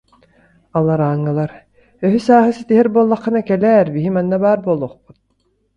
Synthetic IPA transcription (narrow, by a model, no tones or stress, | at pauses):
alˠaɾaːŋːɯlˠaɾ | œɦysaːɦɯsit̪iɦɛɾbuːlˠːaχːɯnakɛlɛːɾbiɦimanːabaːɾbolˠɔχput̪̚